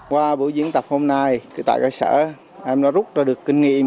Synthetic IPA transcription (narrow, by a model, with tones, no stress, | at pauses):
kwaː˧ɓu˧˩˦zi˧˦əŋt̪ə˨˩p̚ho˧mna˧jkɨ˧˦t̪a̰ː˧˨kaː˧jsə̰ː˧˥ | ʔɛ˧mɗɔ˨˦˥zʊ˦˥t̚zaː˧˩ɗɨ˨˩əkːï˧ŋ̟ŋḭ˧˨ə˨m